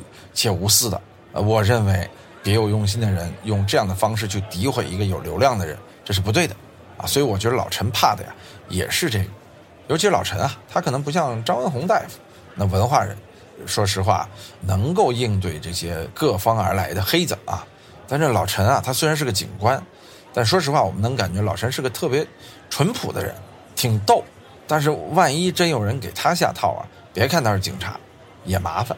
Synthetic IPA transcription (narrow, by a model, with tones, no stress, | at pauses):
t͡ɕʰjɛ˥˩u˧˥sɹ̩˥˩d̪ə̰˩˧ | wɔ˨˩ɻə˥˩nwe˧˥ɪ | pjɛ˧˥jo˨˩ʊjʊ˥˧ŋɕ̬i˥nd̪ə˨ɻə˧˥njʊ˥˧ŋʈ͡ʂɤ˥˧jɑ˥˩ŋd̪ə˩fɑ˥ŋʂ̬ɻ̩˥˧t͡ɕʰy˥˩t̪i˧˥xwe˨˩ɪi˧˥ɡə˧jo˨˩ʊljo˧˥ʊljɑ˥˩ŋd̪ə˩ɻə̰˧˥n | ʈ͡ʂɤ˥˧ʂɻ̩˥˩p̬t̪we˥˩ɪd̪ə˩ | ɐ̰˧˩swɔ˧˥i˧˥wɔ˨˩t͡ɕɥɛ˧˥d̪ə˧lɑ̰˨˩ʊʈ͡ʂʰə˧˥npʰa˥˩d̪ə̰˩ja̰˩jɛ̰˨˩ʂɻ̩˥˧ʈ͡ʂɤ˥˩ɡə˩ | jo˧˥ʊt͡ɕʰi˧˥lɑ˨˩ʊʈ͡ʂʰə˧˥nɐ˧t̪ʰa˥kʰnɤ˧˥ŋp̬u˧˥ɕjɑ˥˩ŋʈ͡ʂɑ˥ʊwə˧˥nxʊ˧˥ŋt̪a˥˩ɪfu̥˨˩˦ | na˥˩wə˧˥nxwa˥˩ɻə̰˧˥n | ʂwɔ˥ʂ̬ɻ̩˧˥xwa̰˥˩nɤ˧˥ŋk̬o˥˧ʊi˥˧ŋt̪̬we˥˧ɪʈ͡ʂɤ˥˩ɕjɛ˥kɤ˥˩fɑ˥ŋə̰˞˧˥la˧˥ɪd̪ə˧xe˥ɪt͡sə̰˨˩ɐ̰˩ | t̪a˥˧nʂɻ̩˥˩lɑ˨˩ʊʈ͡ʂʰə˧˥nɐ˧t̪ʰa˥swe˥ɪa˧nʂ̬ɻ̩˥˧˩ɡə˧t͡ɕḭ˨˩nkwa˥n | t̪a˥˧ʂ̩˧ʂ̬wɔ˥ʂɻ̩˧˥xwa˥˩wɔ˨˩mə˦nɤ˧˥ŋka˨˩nt͡ɕɥɛ˧˥lɑ˨˩ʊʈ͡ʂʰə˧˥nʂɻ̩˥˧˥ɡə˧t̪ʰɤ˥˩pjɛ˧˥ | ʈ͡ʂʰwə˧˥npʰṵ˨˩d̪ə̰˦ɻə̰˧˥n | t̪ʰi˨˩ŋt̪o˥˩ʊ | t̪a˥˧nʂ̬ɻ̩˥˩˧wa˥˩ni˥ʈ͡ʂə˥njo˨˩ʊɻə˧˥nke˨˩ɪt̪ʰa˥ɕ̬ja̰˥˧t̪ʰɑ˥˩ʊɐ̰˨˩ | pjkʰa˥˧nt̪ʂt͡ɕḭ˨˩ŋʈ͡ʂʰa̰˧˥ | jɛ˨˩ma˧˥fa̰˧˩n